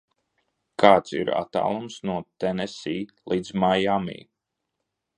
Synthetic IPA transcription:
kʰaːt̪sḭɾa̰t̪a̰ːlˠumsnuɔt̪ɛnɛsiːlˠiːd̪zmajamḭː

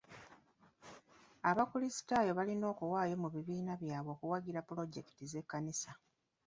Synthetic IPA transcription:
aβakulisi̥tajo̞βalino̞ːkuwaːjo̞muβiβiːnaβjaːβo̞ːkuwaɡiɾapulo̞ɟe̞ki̥tize̞kːanisa

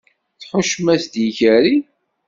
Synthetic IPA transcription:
θħʊʃmæsd̪jiçæɾi

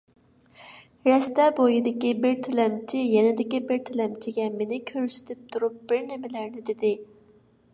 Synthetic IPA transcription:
ɾɛst̪ɛbojid̪ɪkʲibɪɾt̪ʰɪlɛmt͡ʃʰɪjɛnɪd̪ɪkʲibɪɾt̪ʰɪlɛmt͡ʃʰɪɡʲɛmenɪkʲʰøɾsɪ̥t̪ʰɪp̚t̪ʰuɾup̚b̥ɪɾnɪmɪlæɾnɪd̪ɪd̪ɪ

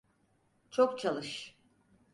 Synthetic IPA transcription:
t͡ʃʰokt͡ʃʰalˠɯʃ

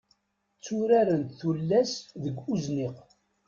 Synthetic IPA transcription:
t͡sːuɾaɾənt̪θulːæsðəɡʷuzniq

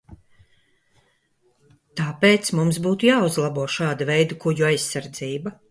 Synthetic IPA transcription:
t̪aːpeːt̪smums̬buːt̪ujaːuzlˠabuɔʃaːd̪avɛjd̪ɐkuɟuajsaɾd̪ziːba

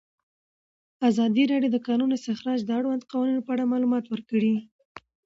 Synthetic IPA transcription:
azɑd̪iɾɑɖjowd̪əkɑnunɪst̪ɪxɾɑd͡ʒd̪əaɽwand̪qawɑninopəaɽamɑlumɑt̪wəɾkəɽi

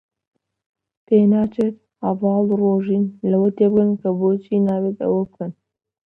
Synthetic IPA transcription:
penaːt͡ʃet̪ | havɑːlroʒinlɐwɐt̪ebkɐnkɐbot͡ʃinaːwet̪ɐ̰wɐb̚kɐn

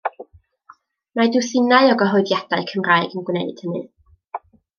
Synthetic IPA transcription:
madʊwθɪnaɨɔɡəɦɔɨdjad̥aɨkʰəmraːɨɡənɡwnɛdɨ̰d̥hənɨ̰

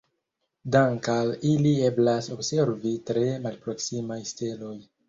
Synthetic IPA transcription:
daŋkalilie̞blaso̞bse̞ɾvitɾe̞malpɾo̞ksimajste̞lo̞j

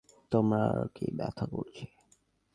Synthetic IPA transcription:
t̪əmakebja̰t̪ʰəkot͡ʃʰe

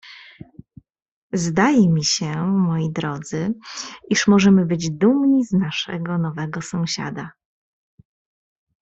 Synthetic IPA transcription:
zd̪ajɛmʲiɕɛmɔjid̪ɾɔd̪zɘiʂmɔʐɛmɘbɘd͡ʑd̪umɲiznaʂɛ̰ɡɔnɔvɛɡɔsɔ̃w̃ɕa̰d̪a

